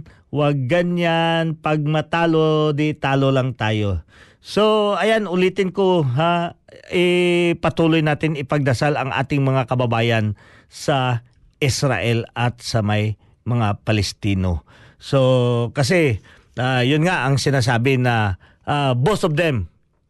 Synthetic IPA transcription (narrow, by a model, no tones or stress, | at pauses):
waɡ̚ːɐnjanpɐɡ̚mɐt̪aːlod̪ɪt̪aːlolaŋt̪aːjo̞ | soɐjanʊliːt̪ɪnkoɦaɪpɐt̪uːlojnaːt̪ɪnɪpɐɡ̚d̪ɐsalɐŋʔa̰ːt̪ɪŋmɐŋakɐbɐbaːjɐn | sɐ | ʔɪsɾa̰ʔɛlɐt̪̚sɐmaj | mɐŋapɐlɛst̪iːno̰ | so̞kɐs̬ɛ | ʔajʊnŋaʔɐŋsɪnaːs̬aːbɪnɐ | ʔabosɔvd̪ɛm